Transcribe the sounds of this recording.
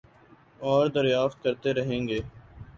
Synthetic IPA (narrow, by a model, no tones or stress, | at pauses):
ɔːɾd̪əɾjaːft̪̚kəɾt̪eɾɐɦẽːŋɡeː